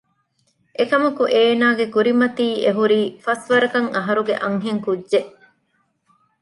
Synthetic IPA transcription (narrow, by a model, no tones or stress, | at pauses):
ʔekɐmɐkuʔeːnaːɡekuɾimɐt̪iːʔeɦuɾiːfɐsʋɐɾɐkɐŋɐɦɐɾuɡḛʔɐŋɦeŋkudʒeʔ